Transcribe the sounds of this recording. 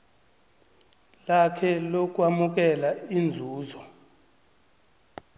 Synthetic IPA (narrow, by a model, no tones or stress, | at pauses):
lakʰɛlok̬ʼwamuk̬ɛlaind͡zʱuːzɔ